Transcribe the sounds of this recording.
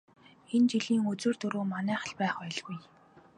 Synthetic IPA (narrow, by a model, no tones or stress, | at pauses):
ent͡ɕiɮiːŋɵt͡sɵ̆ːrt̪ɵɾoːmanæːχə̥̆ɮpæːχœɮɣuj